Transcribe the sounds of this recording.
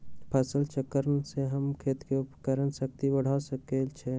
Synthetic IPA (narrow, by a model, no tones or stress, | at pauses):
pʰəsəlt͡ʃəkəɾnseɦəmkʰet̪keupkəɾənsək̚t̪ibəɽ̤asəkelt͡ʃʰɛ